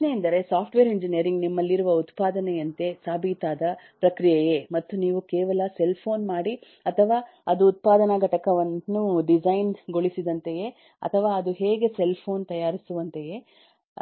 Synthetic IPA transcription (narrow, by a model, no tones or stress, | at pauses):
neind̪ɐɾe̞saːpʰʈʋeːɾiɲd͡ʒinijɐɾiŋɡnimːɐlːiɾuʋɐut̪paːd̪ɐnejɐnt̪e̞saːbʱiːt̪aːd̪ɐ | pɾɐkɾijɛjemɐt̪ːuniːʋukeːʋɐlɐse̞lpʰo̞ːnmaːɽi | ɐt̪ʰɐʋaː | ɐd̪uːt̪̚paːd̪ɐnɐɡɐʈɐkɐʋɐnːuɖid͡ʒɐjnɡo̞ɭisid̪ɐnt̪e̞je̞ | ɐ̰t̪ʰɐʋaːɐd̪uɦeːɡe̞se̞lpʰo̞ːnt̪ɐjaːɾisuʋɐnt̪e̞je̞